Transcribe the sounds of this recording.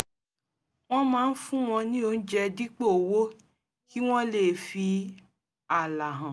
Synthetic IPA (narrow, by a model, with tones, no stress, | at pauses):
w̃ɔ̃˦mãː˦˧n̩˦fũ˦w̃ɔ̃˧nĩ˦o˧n̩˦d͡ʒɛ˧di˦k͡po˦o˨wo˦ | ki˦w̃ɔ̃˦le˨fi˧ | a˨la˨ɦã˨